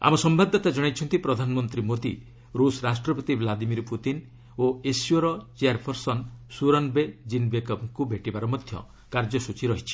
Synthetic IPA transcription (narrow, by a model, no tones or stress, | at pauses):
a̰mɔsɔmbad̪ʱːɔt̪ad͡ʒɔɽ̃ajt͡ʃʰɔnt̪ipɾɔd̪ʱanɔmɔnt̪ɾimod̪ḭ | ɾusɔɾasʈɾɔpɔt̪iblad̪imiɾput̪in | oesiɔɾɔt͡ʃeaɾpʰɔɾsɔnsuɾɔnbed͡ʒinbekɔbkubʱeʈibaɾɔmɔd̪ʱjɔ̰ | kaɾd͡ʒɔsut͡ʃʰiɾɔɦit͡ʃʰi̥